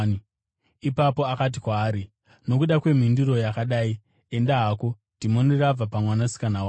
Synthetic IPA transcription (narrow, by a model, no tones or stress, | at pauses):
i | ipapo̞akat̬ikwaːɾi | no̞kuɗakwe̞m̤indiɾo̞jakaɗaːi | e̞ndaɦako̞ | timonirab͡vapamwanasi̥kanawa